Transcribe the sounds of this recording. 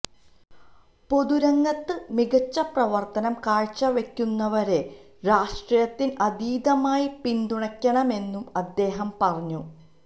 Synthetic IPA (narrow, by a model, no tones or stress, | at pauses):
po̞ðuɾɐŋːɐt̪ːɨmiɣɐt͡ɕːɐprɐʋɐrt̪ɐnɐmkaːɻt͡ɕːɐʋekʲːunːɐʋɐɾe̞ | ɾaːʂʈrijɐt̪ːinʔɐd̪iːd̪ɐmaːjipind̪uɳɐkʲːɐɳɐme̞nːumɐd̪ːe̞ːɦɐmpɐrɐɲːu